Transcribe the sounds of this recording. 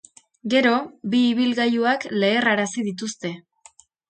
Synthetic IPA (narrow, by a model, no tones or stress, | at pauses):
ɡe̞ɾo̞biːβilɣajuakle̞ːraɾasiðit̪̬ust̪e̞